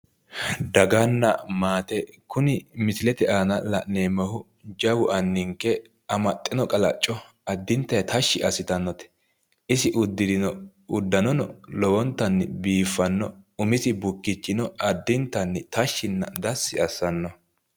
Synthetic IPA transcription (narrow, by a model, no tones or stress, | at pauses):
d̪ɐɡɐnːɐ̰maːt̪ɛkʊnɪmɪsɪlɛt̪ɛʔaːnɐlɐ̰ʔneːmɐhʊ | d͡ʒɐwʊʔɐnːɪŋkːɛ | ɐmɐt̪ʼːɪnɔkʼɐlɐt͡ʃʼːɔ | ɐd̪ːɪnt̪ːɐjt̪ʰɐʃːɪʔɐsɪt̪ɐnːɔt̪ɛ̥ | ʔɪsɪʔʊd̪ːɪd̪ɪnɔ | ʊd̪ːɐnɔnɔlɔwɔnt̪ːɐnːɪbiːfːɐnːɔʊmɪsɪbʊkːɪt͡ʃːɪnɔɐd̪ːɪnt̪ːɐnːɪt̪ɐʃːɪnːɐ̰d̪ɐsːɪɐsːɐnːɔ